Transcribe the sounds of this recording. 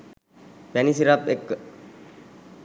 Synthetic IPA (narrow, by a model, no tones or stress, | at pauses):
pænisiɾapekːə